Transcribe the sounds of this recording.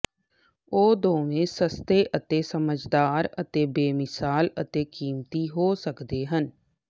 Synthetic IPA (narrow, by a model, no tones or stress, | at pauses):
oːd̪oːʋẽːsəst̪eːʔət̪eːsəməd͡ʒd̪aːɾət̪eːbeːmɪsaːlət̪eːkiːmt̪iːɦoːsəkd̪eːɦən